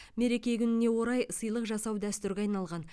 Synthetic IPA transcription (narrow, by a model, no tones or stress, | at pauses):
me̞ɾe̞kʲe̞kʲʰʏnɪne̞wo̞ɾɑjsəjlˠəqʒɑsɑwd̪æst̪ʏɾɡʲeɑjnɑlˠʁɑn